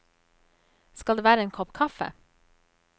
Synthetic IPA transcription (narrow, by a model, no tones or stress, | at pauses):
skɑld̪eːʋæːɾəeːŋkʰɔpkʰɑfə̰